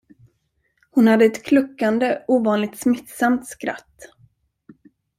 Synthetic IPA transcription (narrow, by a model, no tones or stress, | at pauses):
hʊnhad̪ːəɛt̪kʰlɵkːand̪əuːvɑːnlɪɡ̚t̪smɪt̪samt̪skɾa̰t̪ː